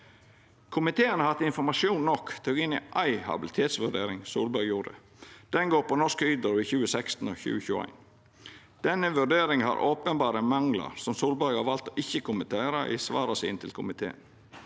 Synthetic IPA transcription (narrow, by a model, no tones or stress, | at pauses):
kʰʊmɪt̪ʰeːənəhɑt̪ɪnfɔɾmɑʂjuːnnɔkt̪ʰuːɡɪnɪ̰ʔɑɪhɑ̰bɪlɪt̪ʰeːt̪sʋʉɖḛːɾɪŋsṵːlbɑɾɡjuːɾə̰ | d̪̥ɛnɡoːpɔnɔʂkyːd̪əɾʋiçʉːəsɛkst̪n̩ɔːçʉ̰ːəçʉːæ̰ɪn | d̪̥ɛnəʋʉɖeːɾɪŋhɑ̰ɾʔoːpənbɑːɾəmɑŋlɑ̰ɾsɔmsuːlbɑɾɡhɑʋɑlt̪ɔʔɪçːəkʊmənt̪ʰeːɾɑʔḭsʋɑ̰ːɾɑsḭːnt̪ʰɪlkʰʊmɪt̪ʰḛːə̰n